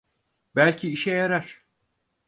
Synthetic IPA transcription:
bælʲcʰiiʃɛjaɾaɾ̥

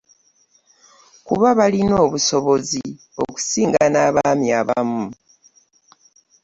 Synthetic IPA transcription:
kuβaβalino̞ːβuso̞βo̞zi | o̞̰ku̥siːŋɡanaːβamiaβamu

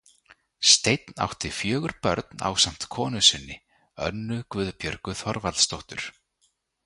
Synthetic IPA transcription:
st̪ejt̪na̰wht̪ɪfjœːɣʏɾpœ̰ɾt̪na̰wsam̥t̪kʰɔːnʏsɪnːɪ | œ̰nːʏkvʏðpjœɾkʏθɔɾvalst̪owht̪ʏɾ̥

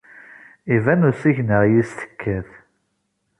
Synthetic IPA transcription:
ivænusiçnəʁjist̪ə̥kʰːæθ

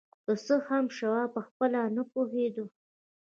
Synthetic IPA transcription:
k̪əsəhamʃawɑpəxpəlanapoɦed̪u

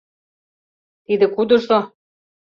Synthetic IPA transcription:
t̪id̪ɘ̆kud̪ɤ̆ʃo

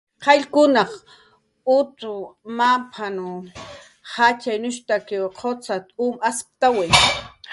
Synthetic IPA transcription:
qʰɑʎkʊnɑχ | ʊt̪ʊmapʰanʊ | hat͡ʃajnʊʃt̪akeqʰot͡sat̪umasp̚t̪awe

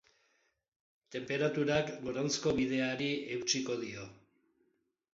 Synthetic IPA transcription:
t̪e̞mpe̞ɾat̪uɾakɡo̞ɾant͡sko̞βiðe̞aɾiewt͡ʃiko̞ðio̞

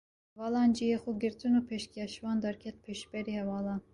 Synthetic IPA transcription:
vɑlɑnd͡ʒijɛχuɡɛɾt͡sunupʰɛʃkiɑʃvɑnd̪ɑɾkʰɛt̪̚pʰɛʃpɛɾihɛvɑlɑn

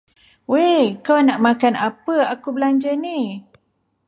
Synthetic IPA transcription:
wekawnaʔmakanapəakubəlaɲd͡ʒəni

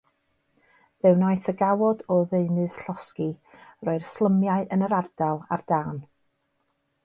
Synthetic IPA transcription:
ðɨwnaɨθəɡawɔdɔðeɨnɨð̥ɬɔski | rɔɨrslˠəmjaɨʔənəɾard̥alˠa̰rd̥aːn

